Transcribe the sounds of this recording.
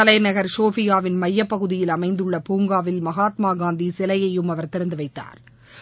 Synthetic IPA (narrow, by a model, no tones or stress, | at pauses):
ɐlɐɪnɐɣɐɾsoːfɪjaːʋɪnmɐjːɐpːɐɣɯðɪjɪlɐmɐɪnd̪ɯɭːɐpuːŋɡaːʋɪlmɐɣaːt̪maːɡaːnd̪isɛlɐjɐjɯmɐʋɐɾt̪ɪɾɐnd̪ɯʋɐɪt̪ːa̰ːɾ